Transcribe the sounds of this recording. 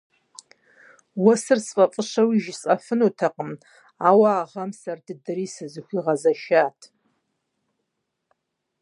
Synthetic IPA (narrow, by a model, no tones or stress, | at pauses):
wɐsɨrsfʼɐfʼəʂɐwiʒsʼɐfɨnutʰɐqʼəm | aːwaːʁɐmsɐrdɨdɨriːsɨzɨxʷiʁɐzɐʃaːtʰ